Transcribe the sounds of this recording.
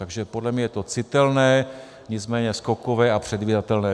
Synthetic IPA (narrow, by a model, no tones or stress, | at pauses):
t̪aɡʒɛpodlɛmɲɛjɛt̪o̞t͡sɪt̪ɛlnɛː | ɲɪt͡smɛːɲɛskokovɛːapr̝̥ɛd̪viːdat̪ɛlnɛː